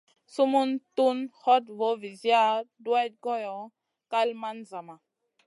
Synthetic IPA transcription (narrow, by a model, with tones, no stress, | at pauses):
su˦mu˦ntu˦nhɔ˦tvo˨˦vi˨zja˦dwa˦t̚ɡɔ˦jɔ˨ | ka˦lma˦nza˨ma˨